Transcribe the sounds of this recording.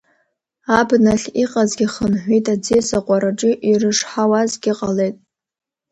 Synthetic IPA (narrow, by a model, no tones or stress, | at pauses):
abnaɬʲiqʼazɡʲiχənħʷitʼad͡zesaqʷʼaɾaʈ͡ʂʼɪʔirɨʂħawazɡʲiqʼale̞jtʼ